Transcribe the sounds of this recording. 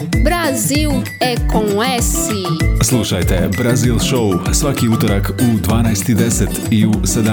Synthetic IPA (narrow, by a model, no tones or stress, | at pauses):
bɾazilˠ | ɛkõŋɛsislˠuʃajt̪e̞bɾazilˠʃousʋakiut̪oɾakud̪ʋaːnajst̪id̪eset̪iused̪a